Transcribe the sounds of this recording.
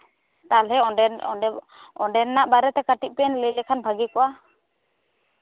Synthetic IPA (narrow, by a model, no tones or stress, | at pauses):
t̪alɛ | ɔɳɖɛnːaʔbaɾɛt̪ɛkaʈiʔ̚pɛnləlɛkʰanbʱaɡikɔʔa